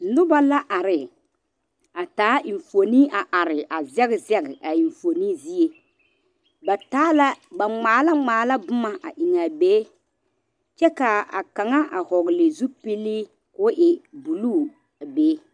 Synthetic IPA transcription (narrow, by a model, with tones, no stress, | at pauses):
nʊ˦ba˦la˦ʔa˨ɾɪ˨ | a˨taː˨˦ʔɪ˨ɱfo˨ni˦a˨ʔa˨ɾɪ˨ʔa˨zɛ˦ɣɪ˨zɛ˦ɡɪ˨ʔa˨i˨ɱfo˨niː˦zi˦e˨ | ba˨taː˦la˦ba˨ŋ͡maː˨˦la˦ŋ͡maː˨˦la˦bʊ˦ma˨ʔa˨ʔi˨ŋa˨beː˦ | t͡ʃɛ˦ka˨a̰˨ka˨ŋa˦ʔa˨hɔ˨ɣɪ˨lɪ˨zu˦pi˦lːiː˦ | kʊ˦ʔɪ˨bu˨luː˦˨ | a˨beː˦